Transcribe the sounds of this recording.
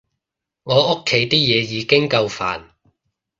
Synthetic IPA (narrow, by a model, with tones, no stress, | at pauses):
ŋɔː˨˧ʊ˥kʰːe˨˧˥jt̪iː˥jɛː˨˧jiː˨˧kɪ˥ŋkɐ˧wfa̰ː˨˩n